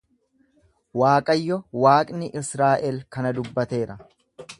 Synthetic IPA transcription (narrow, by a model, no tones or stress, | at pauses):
waːkʼɐjːɔwaːkʼnɪʔɪsɾaːʔɛlkɐnɐd̪ʊbːɐt̪e̞ːɾɐ